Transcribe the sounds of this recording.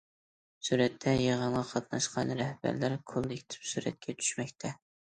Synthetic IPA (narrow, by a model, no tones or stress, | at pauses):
suɾɛt̪ʰːɛjeʁənʁɑqʰɑt̪nɑʃqɑnɾɛhb̥æ̰ɾlæɾkʰolˠd̪ekʲʰi̥t̪ʰɪ̥psuɾɛ̰t̪̚kʲʰɛt͡ʃʰy̥ʃmɛkʲt̪ʰɛ